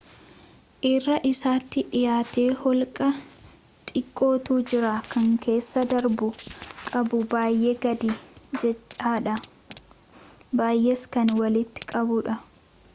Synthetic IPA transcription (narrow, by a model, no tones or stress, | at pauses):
ʔɪrːɐʔɪsaːt̪ːɪᶑɪjaːt̪e̞ːhɔlkʼɐ | t̪ʼɪkʼːo̞ːt̪uːd͡ʒɪɾaːkʰɐŋke̞ːsːɐd̪ɐɾbʊkʼɐbʊbaːjʔeːɡɐd̪id͡ʒɛt͡ʃʼːaːᶑɐ | baːjʔeskɐnwɐlɪt̪ːɪ̥kʼɐbʊᶑɐ